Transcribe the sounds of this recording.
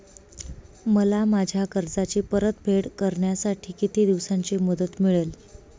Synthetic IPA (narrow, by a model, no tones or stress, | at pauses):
məlamad͡ʑʱjakəɾd͡zat͡ɕiːpəɾət̪̚bʱeɽkəɾɳjasaʈʰiːkit̪id̪iʋsaɲt͡ɕeməd̪ət̪miɭel